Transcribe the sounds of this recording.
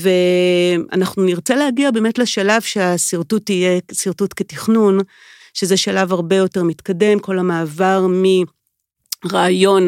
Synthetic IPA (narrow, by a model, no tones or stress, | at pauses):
ve̞ʔa̰naχnuniʁt͡selehaɡiabe̞ːmetleʃalavʃeasiʁtutijesiʁtutketiχnun | ʃezeʃalavaʁbe̞jo̞te̞ʁmitkade̞mko̞lhamaːvaʁmi | ʁaːjo̞n